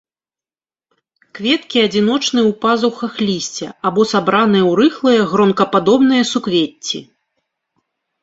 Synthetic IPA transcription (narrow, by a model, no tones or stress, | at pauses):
kvʲɛt̪kʲiɐd͡zʲinɔt͡ʂnɨwpazuxɐxlʲisʲt͡sʲɛ̰abɔsabɾanɨjɐwɾɨxlˠɨjɐɣɾɔnkɐpad̪ɔbnɨjɐsukvʲetʲːḭ